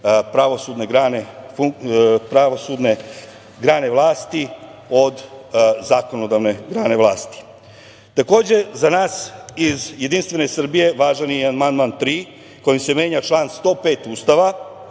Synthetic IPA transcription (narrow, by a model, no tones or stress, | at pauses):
pɾaʋo̞suːd̪ne̞ɡɾaːnefupɾaʋosud̪ne̞ | ɡɾaːne̞ʋlˠaːst̪i | o̞d̪zaːko̞no̞d̪aʋne̞ɡɾaːne̞ʋlaːst̪i̥ | t̪ako̞ːd͡ʑe̞zanaːsizje̞d̪inst̪ʋe̞nesr̩bije̞ʋaːʒanianmand̪mant̪ɾiː | ko̞jimse̞mje̞ːɲat͡ʃlˠaːnst̪o̞ːpe̞ːt̪uːst̪aʋa